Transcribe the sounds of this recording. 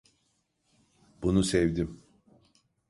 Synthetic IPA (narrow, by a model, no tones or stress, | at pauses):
bunusɛvd̪im